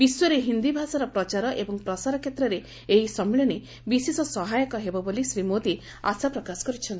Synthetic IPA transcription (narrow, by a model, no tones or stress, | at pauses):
b̥iswɔɾeɦind̪ibʱasaɾɔpɾɔt͡ʃaɾɔʔebɔŋpɾɔsaɾɔkʰjet̪ɾɔɾe | eɦisɔmiɭɔne | bisesɔsɔɦajɔkɔɦebɔbolisɾimod̪i | asapɾɔkasɔ̥kɔɾit͡ʃʰɔnt̪i